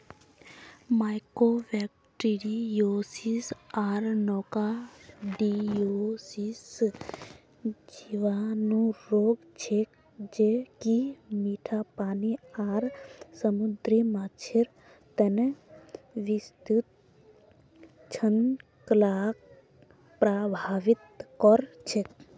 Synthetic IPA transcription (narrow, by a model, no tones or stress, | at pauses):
maːjkoːʋɛːk̚ | ʈiɾijoːsisaːɾnɔːkaɖioːsis | d͡ʒiʋaːnũɾoːɡt͡ʃʰek | d͡ʒekimiːʈʰapaːniaːɾsəmud̪ɾimaːt͡ʃʰeɾ | t̪ən | ʋist̪ut̪̚ | t͡ʃʰən | kəlaːk̚ | pɾaːbʱaːʋɪt̪̚kɔɾt͡ʃʰek̚